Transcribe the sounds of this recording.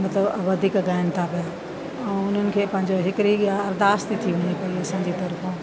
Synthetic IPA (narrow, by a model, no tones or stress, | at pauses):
mɐt̪ləbʋɐd̪ʱiːkɡaːɪnt̪ʰapija | ɛ̃ːʊn̤ənɪ̆kʰeːpɐ̃ɦɪ̃ɲd͡ʑoɦɪkɾiaɐɾd̪aːst̪it̪ʰiʋɐɲipɐiɐsãːɲd͡ʑit̪ɐɾf